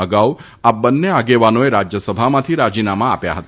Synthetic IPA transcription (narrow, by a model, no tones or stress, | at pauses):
əɡaw | abənːeaɡeʋanoeɾad͡ʒjəsəbʱamãt̪ʰiɾad͡ʒinamãa̰pja̰ɦət̪